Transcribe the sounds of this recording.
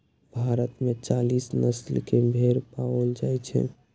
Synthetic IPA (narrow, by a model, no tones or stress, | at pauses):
bʱaɾət̪met͡ʃalisnəslkebʱeɾpaəld͡ʒajt͡ʃʰɛ̰